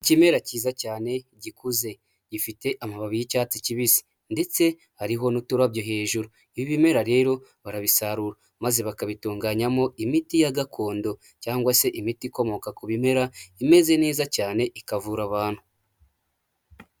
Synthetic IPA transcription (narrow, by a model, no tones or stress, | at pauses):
cime̞ɾaciːzacaːne̞ɟikuze̞ | ɟifite̞ʔamaβaβijicaːt͡siciβisi̥ | nde̞t͡se̞ | haɾiɦo̞nutuɾabjoɦe̞ːʒuɾu | iβiβime̞ɾaɾe̞ːɾo̞ | βaɾaβisaɾuɾa | maze̞βakaβituːŋɡaɲamo̞imitijaɡakʰo̞ːndo̞ | caːŋɡwase̞ʔimitiko̞mo̞kakuβime̞ɾaime̞ze̞ne̞ːzacaːne̞ʔikavuɾaβaːn̥hu